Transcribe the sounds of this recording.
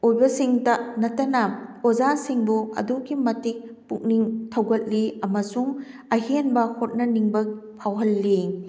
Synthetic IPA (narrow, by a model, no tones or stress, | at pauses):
ojbɐsiŋtɐnɐtɐnɐozasiŋbuɐ̰dukimɐtik̚ | puk̚niŋtʰɐwɡɐt̚liɐmɐsuŋ | ɐɦenbɐhot̚nɐniŋbɐk̚ | pʰawɦɐlːi